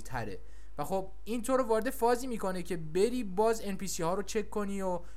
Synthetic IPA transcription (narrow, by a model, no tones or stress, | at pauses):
t̪ʰæ̰ɾe̞̰ | væxob̚ | int̪ʰoɾovɒːɾe̞d̪e̞fɒːziːmiːko̞necʰe̞be̞ɾiːbɒːzenpiːsihɒːɾot͡ʃʰe̞kʰːo̞niːo